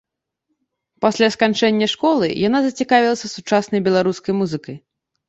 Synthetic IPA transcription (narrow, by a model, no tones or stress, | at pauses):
pasʲlʲaskant͡ʂɛnʲːɐʂkɔlˠɨ̰janazɐt͡sʲikavʲilˠɐsʲɐsut͡ʂasnɐjbʲɛlˠaɾuskɐjmuzɨkɐj